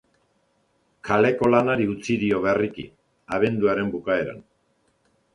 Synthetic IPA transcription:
kʰale̞ko̞lanaɾiut͡siðio̞βerikḭ | aβ̞e̞nd̪uaɾe̞mbukae̞ɾa̰n

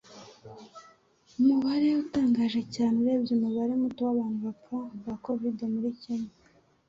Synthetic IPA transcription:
umuβaɾe̞utaːŋɡaːʒe̞caːneɾe̞ːbɟuːmuβaɾe̞mutowaβaːn̥huβaaŋuɡako̞videmuɾiceɲe

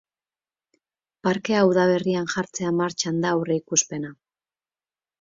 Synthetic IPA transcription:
paɾke̞auðaβe̞rianʝaɾt͡se̞amaɾt͡ʃand̪aureikuspe̞na

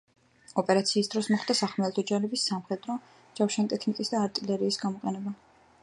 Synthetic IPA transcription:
ɔpʼɛɾat̪sʰiːsd̪ɾɔsmɔχd̪asaχmɛlˠt̪ʰɔd͡ʒaɾɛbisːamχɛd̪ɾɔ | d͡ʒafʃant̪ʼɛkʰnikʼisd̪aːɾt̪ʼilɛɾiːsɡamɔqʼɛnɛba

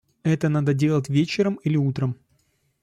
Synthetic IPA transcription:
ɛt̪ənad̪ədʲe̞lˠətʲvʲet͡ɕɪɾəmilʲɪut̪ɾəm

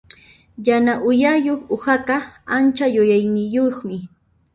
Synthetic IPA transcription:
janaʔʊjajoχʊhakaant͡ʃajʊjajnɪjoχmɪ

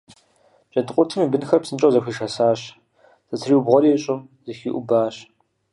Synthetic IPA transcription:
ɕʼɐdqʷʼʊtʰɨmiːbɨnxɐrpsɨnt͡ʃʼɐwzɐxʷiːʃɐsaːɕ | sɐt͡sʰɨriwʊbʁʷɔɾiːɕʼʊmzɐxḭʔʷʊbaːɕ

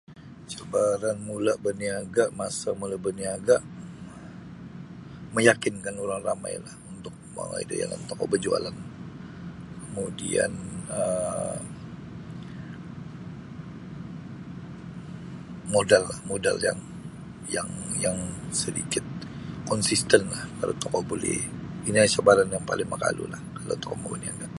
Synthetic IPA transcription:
t͡ʃabaɾanmulaʔbəniaɡaʔmasamulabəniaɡaʔ | məjakɪnkanoɾaŋrama̰jlahunt̪ʊk̚ma̰wa̰ida̰ja̰la̰nt̪okɔʔbəd͡ʒua̰lan | kəmudḭa̰nə | modalːahmodalja̰ŋ | jaŋjaŋsədḭkɪt̪̚kɔnsist̪ənlahkaɾat̪ɔkɔbolɛ̰inilat͡ʃabaɾanjaŋpalɪŋməka̰lṵlahkala̰wt̪ɔkɔʔmauniaŋɡaʔ

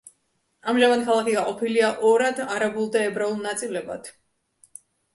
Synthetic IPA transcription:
amʒamanikʰalˠakʰiɡaqʼɔpʰiliaʔɔɾad̪aɾabulˠd̪aɛbɾaulˠnat̪sʼilɛba̰d̪̥

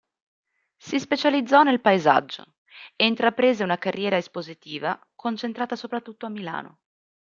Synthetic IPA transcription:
sispet͡ʃalid̪zːɔnelpaeza̰d͡ʒːo̰ | eint̪ɾapɾeːzeunakarjɛːɾaespozit̪iːva̰ | kont͡ʃent̪ɾaːt̪asopɾat̪ːut̪ːoamːila̰ːno̰

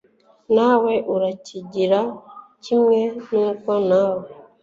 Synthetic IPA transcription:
nawɛʔuɾaciɟiɾacimjɛnuŋkɔnaːwe

